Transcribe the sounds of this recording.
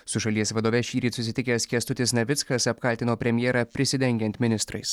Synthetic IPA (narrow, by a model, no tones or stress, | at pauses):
sʊʃɐlʲiɛsʋɐd̪oːʋʲɛʃʲiːɾʲiːsʊsʲɪt̪ʲɪkʲɛskʲɛst̪ʊt̪ʲɪsnʲɐʋʲɪt̪skɐsɐp̚kɐlʲt̪ʲɪnoːpʲɾʲɛmʲjɛːɾɐpʲɾʲɪsʲɪd̪ʲɛŋʲɡʲɛnʲt̪ʲmʲɪnʲɪst̪ɾɐɪs